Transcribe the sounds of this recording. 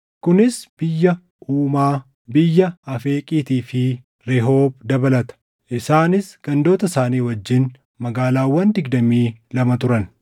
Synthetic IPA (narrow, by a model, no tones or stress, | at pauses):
kʊnɪsb̥ɪjːɐ | ʔuːmaː | bɪjːɐɐfeːkʼiːt̪iːfɪ | ɾɛɦo̞ːb̚d̪ɐbɐlɐt̪ɐ̥ | ʔɪsaːnɪsɡ̥ɐnd̪o̞ːt̪ɐsaːniːwɐd͡ʒːɪn | mɐɡaːlaːwːɐnd̪ɪɡd̪ɐmiːlɐmɐt̪ʊɾɐn